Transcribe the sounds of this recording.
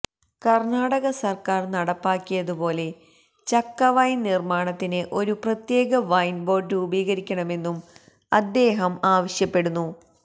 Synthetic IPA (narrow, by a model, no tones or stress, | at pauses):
kɐrnaːɽɐɣɐsɐrkaːrnɐɽɐpːaːkːijɐðubo̞ːle̞ | t͡ɕɐkːɐʋɐjnnirmaːɳɐt̪ːinɨʔo̞ɾuprɐt̪je̞ːɣɐʋɐjnbo̞ːrɖubiːɣɐɾikʲːɐɳɐme̞nːum | ɐd̪ːe̞ːɦɐmaːʋɐɕjɐpːe̞ɽunːu